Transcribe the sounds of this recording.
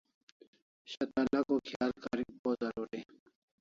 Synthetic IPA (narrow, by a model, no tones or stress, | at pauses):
ɕɐt̪alakokʰjaːlkaɾiŋpozaɾoɾe